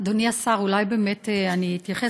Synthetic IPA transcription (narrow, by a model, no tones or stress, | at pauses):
d̪oniasaʁulajbe̞ːmeteaniːt̪jaχe